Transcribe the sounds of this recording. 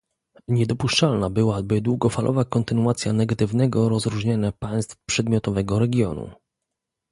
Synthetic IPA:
ɲɛd̪ɔpuʂt͡ʂalnabɘwabɘd̪wuɡɔfalʔɔ̰vakɔnt̪ɘnuat̪sʲjanɛɡat̪ɘvnɛɡɔɾɔzɾuʐɲaɲapaj̃st̪fpʂɛd̪mʲjɔt̪ɔvɛɡɔɾɛɡʲjɔnṵ

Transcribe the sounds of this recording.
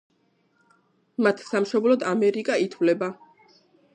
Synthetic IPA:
mat̪ʰsamʃɔblɔd̪amɛɾikʼait̪ʰvlɛba

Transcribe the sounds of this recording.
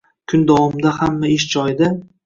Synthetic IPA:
kʰʊnd̪awɒmd̪ahamːaɪʃd͡ʒɒjd̪ɪ

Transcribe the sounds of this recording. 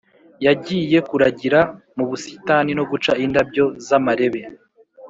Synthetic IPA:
jaɟiːje̞kuɾaɟiɾa | muβusi̥tanino̞ɡut͡ʃaindabɟo̞zamaɾe̞βe̞

